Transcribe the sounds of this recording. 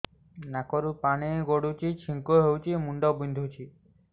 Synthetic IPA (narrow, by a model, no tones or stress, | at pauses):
nakɔɾupaneɡoɽut͡ʃit͡ʃʰiŋkoɦewt͡ʃʰimuɳɖɔbind̪ʱut͡ʃʰi